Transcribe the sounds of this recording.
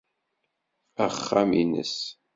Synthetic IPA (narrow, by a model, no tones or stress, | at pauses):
æχːaminə̰s